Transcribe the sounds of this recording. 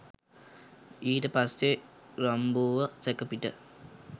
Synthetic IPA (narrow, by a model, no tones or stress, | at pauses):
iːʈəpase | ɾambuːʋəsekəpiʈə̰